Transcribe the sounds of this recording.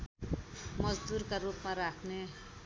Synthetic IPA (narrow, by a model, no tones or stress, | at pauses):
mʌd͡zd̪urkaɾupmaɾakʰne